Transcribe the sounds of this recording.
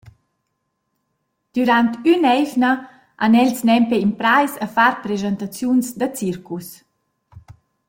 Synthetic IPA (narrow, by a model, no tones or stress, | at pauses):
d̪̥yɾant̪ynɛjvnə | ʔanɛlsnɛmpeimpɾajsəfaɾpɾezant̪at͡sjunsd̪ət͡sirkus